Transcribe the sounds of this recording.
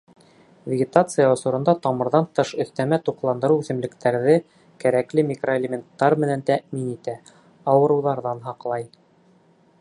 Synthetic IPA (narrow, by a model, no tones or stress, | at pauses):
vʲɪɡʲɪt̪at̪sɨjaŏsɤ̆ɾɤ̆nd̪ɑt̪ɑmɤ̆ɾðɑnt̪ɤʃɵ̆θt̪æmæt̪uqlˠɑnd̪ɤ̆ɾuwθɘ̆mlɘ̆kt̪æɾðɘ | kæɾæklɘmʲɪkroelʲemʲent̪ːɑɾmɘ̆nænt̪æminit̪æ | ɑwɤ̆ɾɤ̆wðɑɾðɑnɦɑqlˠɑj